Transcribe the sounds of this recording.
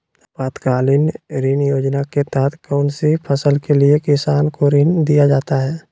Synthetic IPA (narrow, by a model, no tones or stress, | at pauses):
paːt̪kaːlɪnɾiːnjoːd͡ʒnaket̪ɛɦət̪ʰkɔːnsipʰəsəlkeliekɪsaːnkoɾiːnd̪ijad͡ʒaːt̪aɦɛː